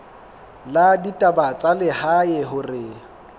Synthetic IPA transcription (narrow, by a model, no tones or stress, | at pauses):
laditʼabat͡sʼalɪhajɛɦʊrɪ